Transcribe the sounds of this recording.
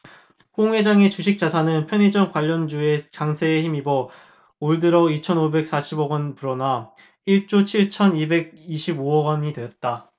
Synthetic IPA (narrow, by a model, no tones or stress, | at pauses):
koŋwe̞d͡ʑaŋe̞t͡ɕuɕʰik̚t͡ɕ͈asʰanɯnpʰjʌnid͡ʑʌŋkwaʎːʌnd͡ʑue̞kaŋsʰe̞ːçimibʌ | oɭdɯɾʌit͡ɕʰʌnobe̞k̚s͈aɕʰiboɡʌnpuɾʌna | iɭt͡ɕ͈ot͡ɕʰiɭt͡ɕʰʌnibe̞ɡ̚iɕʰiboʌɡʌɲidwe̞ʌt̚t͈a